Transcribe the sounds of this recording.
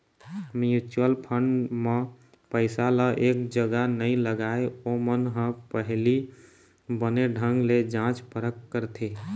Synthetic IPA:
mjut͡ʃuəlpʰəɳɖme | pəɪsaləʔek̚d͡ʒəɡanəiləɡaeomənɦə̃pəɦli | bəneɖʱə̃ŋɡled͡ʒãt͡ʃpəɾəkːəɾt̪ʰe

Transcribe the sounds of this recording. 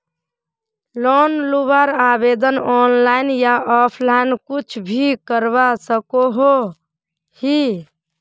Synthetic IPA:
lɔnlubaɾabed̪ənɔnlaɪnjaʔɔpʰlaɪnkut͡ʃʰbʱikəɾbasəkoɦo | hi

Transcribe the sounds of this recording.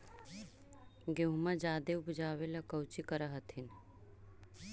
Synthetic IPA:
ɡeɦmad͡ʒaːd̪eubud͡ʒaːwelakəwt͡ʃikəɾəɦət̪ʰin

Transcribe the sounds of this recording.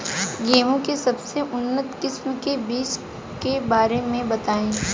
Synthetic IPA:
ɡeːmõkesɐbseʔʊnːət̪kɪsmkebiːt͡ʃ | kebaːɾemẽbɐt̪aːẽː

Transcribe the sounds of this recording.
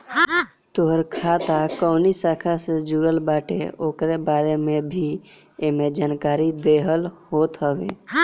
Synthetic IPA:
t̪oɦəɾkʰaːt̪akoːnisaːkʰased͡ʒuːɾəlbaːʈḛoːkɾebaːɾemẽbʱi | emed͡ʒaːnkaːɾid̪eːɦəlhoːt̪ɦəʋḛː

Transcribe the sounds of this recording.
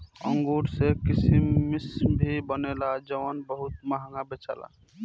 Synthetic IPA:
ə̰ŋɡoɽsekisimːisbʱibənelad͡ʒəʋənbəɦut̪maɦŋɡabet͡ʃa̰la̰

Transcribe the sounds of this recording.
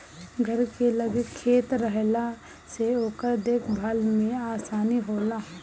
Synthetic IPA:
ɡʱəɾkeləɡəkʰːeːt̪ɾəɦla | seoːkəɾd̪eːkʰbʱaːlmẽaːsaːniɦoːlaː

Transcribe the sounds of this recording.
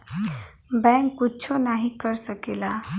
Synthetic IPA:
bɛ̃ŋkːut͡ɕʰɔnaɦikəɾsəkela

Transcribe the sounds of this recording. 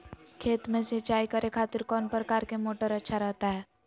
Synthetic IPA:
kʰeːt̪mẽset͡ʃaːikəɾʔekʰaːt̪ɪɾkɔːnpɾəkaːɾkemoːʈəɾɐtːʃʰaɾɛɦt̪aɦɛː

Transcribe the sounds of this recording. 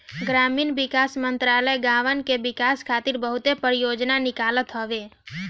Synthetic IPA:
ɡɾamiːnʋɪkasmənt̪ɾaləjɡaʋənkeʋɪkaskʰat̪iɾbəɦut̪epəɾjod͡ʒnanɪkalət̪ɦɔʋe

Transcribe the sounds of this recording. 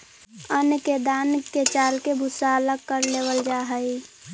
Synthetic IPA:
ənked̪aːnket͡ʃaːlkebʱʊsaːlakəɾleːwəld͡ʒaːɦəi

